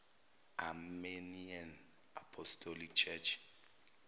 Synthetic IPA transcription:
amenian | apʰɔstʰɔlik̚t͡ʃʰɛt͡ʃʰ

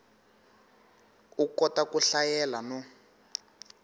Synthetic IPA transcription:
ukɔtakuɬajɛlanɔ

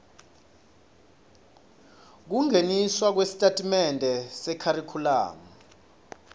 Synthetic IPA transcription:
k̬uŋʱeniswak̬wesi̥tʼatʼimɛndʱɛsɛkʰaɾikʰula̰ːma

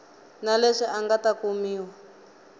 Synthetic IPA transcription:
naleʂiʔaŋɡatakumiːwa

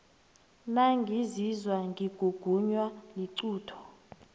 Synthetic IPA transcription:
naŋɡʱizizwaŋɡʱiɡ̥ʱuɡ̥ʱuɲwaliǀuːtʰɔ̥

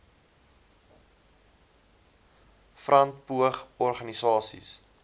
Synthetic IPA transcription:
frɐnt̚puəχɔrχɐnisɑːsḭs

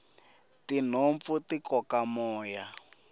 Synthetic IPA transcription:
tin̤oɱp̪futikɔkamɔːja

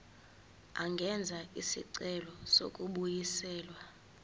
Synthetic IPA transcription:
a̰ŋɡʱɛnd͡zʱaisḭǀɛlɔso̰kʼuɓujisɛːlwa

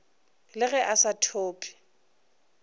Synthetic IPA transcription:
lɪɣɛʔasatʰoːpʰʼi̥

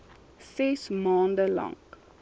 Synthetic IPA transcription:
sɛsmɑːndəlɑ̰ŋ

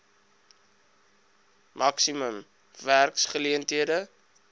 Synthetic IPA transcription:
mʔɐksiməm | værksχəliəntɦiədə

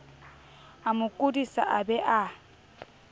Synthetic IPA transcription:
amʊkʼudisa̰ʔabɛʔa

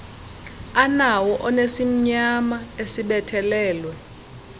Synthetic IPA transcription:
anawɔʔɔnesim̩ɲamaesiɓɛtʰɛlɛːlwɛ

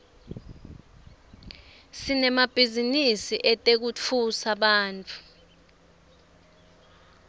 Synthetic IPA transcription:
sinɛmab̥ʱizinisiʔɛtʼek̬ut͡fʰusaɓaːnt͡fʼu

